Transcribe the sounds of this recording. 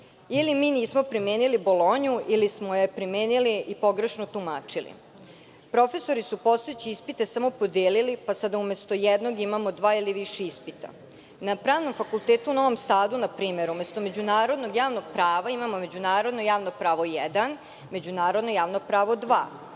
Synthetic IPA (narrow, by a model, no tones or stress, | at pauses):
ilimiːniːsmo̞pɾimeːnilibolˠoɲuʔilismo̞jepɾimeːniliʔipo̞ɡɾe̞ʃnot̪umaːt͡ʂilḭ | pɾo̞fe̞so̞ɾisupo̞st̪oet͡ɕiispit̪e̞samo̞po̞d̪eːlilipasad̪aumest̪o̞jɛd̪no̞ɡimamo̞d̪ʋaːiliʋiʃeispit̪a̰ | napɾaːʋno̞mfakulˠt̪eːt̪uuno̞ʋo̞msaːd̪unapɾiːme̞ɾumest̪o̞me̞d͡ʑunaːɾo̞d̪no̞ɡjaːʋno̞ɡpɾaːʋaimamo̞me̞d͡ʑunaːɾo̞d̪nojaːʋno̞pɾaːʋo̞jɛd̪an | me̞d͡ʑunaːɾo̞d̪no̞jaːʋno̞pɾaːʋo̞d̪ʋa̰ː